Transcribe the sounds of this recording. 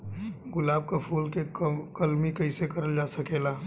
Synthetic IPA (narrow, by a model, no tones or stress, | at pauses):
ɡʊlaːb̚kapʰuːlkekɐlmikɐɪsekɐɾəld͡ʒaːsɐkeːlaː